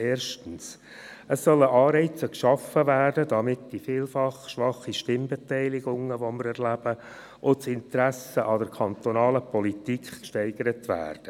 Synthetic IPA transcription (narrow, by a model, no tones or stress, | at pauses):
eːɾʃtən̩s | əsːœləʔɑːɾɛɪt͡səkʃɑfəvæːrdədɑmɪtd̥ifiːlfɑχʃʋɑχiʃtɪmbɛtɛɪlɪɡʊŋəʋoməɾɛrlæb̥ə | ʔosɪntəɾæsəʔɑd̥əɾkʰɑnt̪onɑːləpɔlitikχkʃtɛɪɡ̥əɾətʋæ̰ːrd̥ə